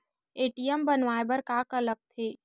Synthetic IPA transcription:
eːʈijəmbənʋaːebəɾkaːkələk̚t̪ʰeː

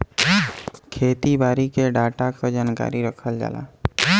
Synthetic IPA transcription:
kʰeːt̪ibaːɾikeɖaːʈakəd͡ʒaːnka̰ːɾiɾəkʰəld͡ʒa̰ːla̰ː

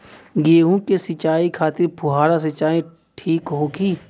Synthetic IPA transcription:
ɡeːɦũkesɪt͡ʃaːikʰaːt̪ɪɾpʰʊɦaːɾasɪt͡ʃaːẽ | ʈʰiːkɦoːkiː

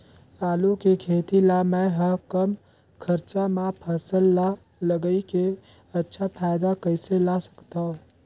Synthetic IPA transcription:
aːlukekʰeːt̪ilamɛ̃ɦəɦkəm | kʰɐɾt͡ʃamãpʰɐsəlːa | ləɡəike | ɐtːʃʰapʰaːjɪd̪akəɪselasɐ̥kt̪aɦõː

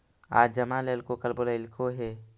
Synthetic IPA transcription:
a̰ːd͡ʒəmaleːlkokəlboːlaɪlkʰoɦɛː

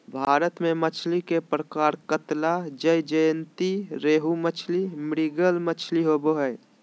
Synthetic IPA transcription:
bʱaːɾət̪mẽmət͡ʃʰlikepɾəkaːɾkət̪lad͡ʒəjd͡ʒəjənt̪iɾeːɦumət͡ʃʰlimɪɾiɡəlmət͡ʃʰliɦoboɦɛː

